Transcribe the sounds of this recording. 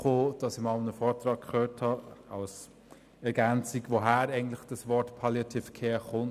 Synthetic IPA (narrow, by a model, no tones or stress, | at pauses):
χoːd̥ɑsɪɪmɑlnəfɔːɾtɾɑːkkʰχøːɹthɑɑ̰ls | ɛɾɡænt͡sikʋoɦæːɾɛɪɡn̩tlɪχd̥ɑsvɔɾtpʰɑljɑtʰifkʰeːχʊn